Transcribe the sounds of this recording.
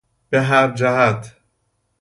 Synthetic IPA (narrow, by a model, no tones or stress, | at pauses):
b̥eɦæɾd͡ʒæhæt̪ʰ